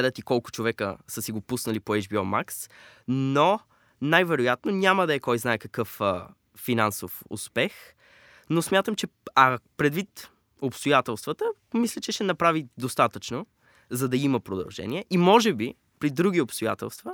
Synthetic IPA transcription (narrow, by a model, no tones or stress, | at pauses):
d̪ət̪ikɔlˠkʊ̥t͡ʃovɛkə̰səsiɡopusnɐlipoɛd͡ʒbiɔma̰ksno | najvɛɾojat̪nonʲaməd̪ɐɛkɔjznaɛkɐkɤfː | inansofʊ̰spɛx | nosmʲjat̪əmt͡ʃɛɐpɾɛd̪vit̪ | opst̪ojat̪ɛlˠst̪vət̪ə | mislʲɛt͡ʃɛʃɛnɐpɾavid̪ost̪at̪ət͡ʃno | zɐd̪ɐiməpɾod̪ɐ̰lˠʒɛ̰niɛʔimɔʒɛbi | pɾid̪ɾuɡ̟iopst̪oja̰t̪ɛ̰lˠst̪və